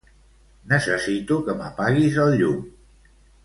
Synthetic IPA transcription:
nəsəsit̪ukəməpaɣizəlˠʎum

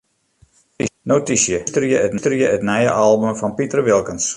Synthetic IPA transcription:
notisjəstərjəətnstərjəətnɛjə̰ʔɑlˠbəmfɔnpitərʋɪlˠkəns

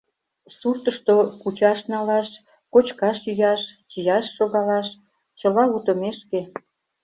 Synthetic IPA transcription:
surt̪əʃt̪okut͡ɕɑʃnɑlɑʃ | kot͡ɕkɑʃyjɑʃt͡ɕijɑʃːoɣɑlɑʃ | t͡ɕəlɑut̪ə̆meʃke

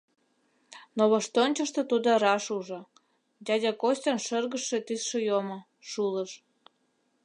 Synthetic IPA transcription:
noβoʃt̪onʲt͡ɕəʃt̪ɤ̆t̪ud̪oɾɑʃuʒɤ̆ | dʲɑdʲɑkosʲtʲənʃərɣəʃːet̪ysʃĕjomo | ʃulə̆ʃ

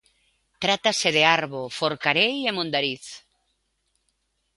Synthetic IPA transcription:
t̪ɾat̪asɪðeaɾβofoɾkaɾejemõnd̪aɾiθ

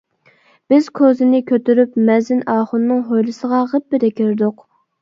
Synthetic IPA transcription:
b̥ɪz̥kʰozɪnɪkʲʰøt̪yɾypmɛzɪnɑːχʊnːɨŋɦojlˠɨsəʁɑʁəp̚bɪd̪ɛkʲʰøɾd̪ʊq

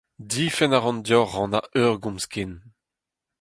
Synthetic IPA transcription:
difɛnaʁɑ̃ndjɔʁɑ̃naʔøʁɡũmskin

